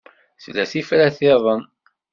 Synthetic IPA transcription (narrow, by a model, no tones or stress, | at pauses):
θlːæθifɾæθeðˤən